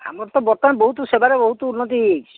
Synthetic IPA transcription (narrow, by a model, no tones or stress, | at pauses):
a̰mɔɾt̪ɔbɔɾt̪ɔneboɦut̪usebaɾeboɦut̪ɔunːot̪̬iɦik